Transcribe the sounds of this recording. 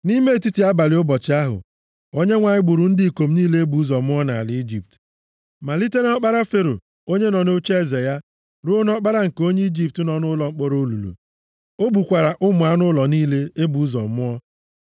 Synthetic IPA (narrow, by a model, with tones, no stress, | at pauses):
ni˦me˦˨ti˦ti˨˦a˦ba˨lɪ˨ʊ˦bɔ˨t͡ʃɪ˦a˦ɦʊ̰˨ | o˦ɲe˦ŋʷa˨ɲɪ˦ɡ͡bʊ˨ɾʊ˨n̩˦dɪ˦i˨ko˨m̩˦niː˦le˦e˦bu˨u˦zɔ˨mʊ˦ɔ˦na˨a̰˨lɪ˦i˦d͡ʒi˨p̚t | ma˨li˦te˦ɾe˦ɔ˦k͡pa˦ɾa˦fe˦ɾo̰˨ | o˦ɲe˦nɔ˨no˦t͡ʃe˦˨ze˨ja˦ | ɾʊ˦o˦n˦ɔ˦k͡pa˦ɾa˦ŋ̩˨ko˦ɲe˦i˦d͡ʒi˦p̚tnɔ˨nʊ˦lɔ˨ŋ͡m̩˦k͡pɔ˦ɾo˦lṵ˨lṵ˨ | o˦bu˨kʷa˨ɾa˨ʔʊ˦mʊ˨a˦nʊ˦lɔ˨niː˦le˦e˦bu˨˦zɔ̰˨mʊ˦ɔ˦